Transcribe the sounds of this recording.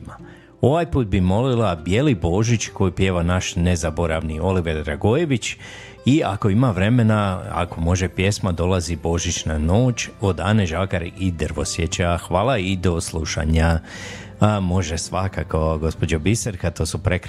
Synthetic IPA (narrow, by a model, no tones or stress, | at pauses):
ma | o̞ʋajpuːt̪̚bimo̞lilabjelibo̞ːʒit͡ɕko̞jipje̞ːʋanaʃnezabo̞ɾaʋnio̞liʋed̪ɾa̰ɡojeʋit͡ɕ | iako̞imaʋɾe̞me̞naa̰ko̞mo̞ʒepje̞smad̪o̞lazibo̞ʒit͡ɕnano̞ːt͡ʃt͡ɕo̞d̪aneʒaːɡaɾid̪əɾʋo̞̰sjet͡ɕaxʋaːlˠaid̪o̞slˠuʃa̰ɲa | mo̞ʒesʋakakoɡo̞spo̞d͡ʑobiseɾkat̪o̞ːsupɾek